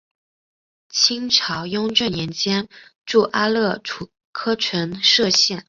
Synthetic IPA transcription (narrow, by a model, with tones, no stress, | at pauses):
t͡ɕʰi˥ŋʈ͡ʂʰɑ˧˥ʊjʊ˥ŋʈ͡ʂɤ˥˩jɛ˧˥nt͡ɕjɛ˥nʈ͡ʂu˥˩ʔa˥lɤ˥˩ʈ͡ʂʰu˨˩ | kʰɤ˥ʈ͡ʂʰə˧˥nʂɤ˥˧ɕjɛ˥˩n